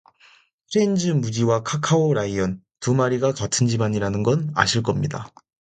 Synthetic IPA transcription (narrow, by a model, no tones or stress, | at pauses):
tʰɾend͡ʑɯmud͡ʑiwakʰakʰaoɾaiʌn | tumaɾiɡakatʰɯnd͡ʑibaɲiɾanɯnɡʌna̰ɕʰiɭk͈ʌmɲida